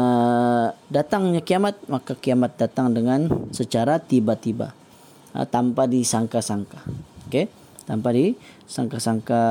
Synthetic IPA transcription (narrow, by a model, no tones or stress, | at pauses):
ə | dat̪aŋɲakiamat̪̚makakiamat̪̚dat̪aŋdəŋansət͡ʃaɾat̪ibat̪iba̰ | t̪ampadisaŋkasaŋkaoke | t̪ampadisaŋkasaŋka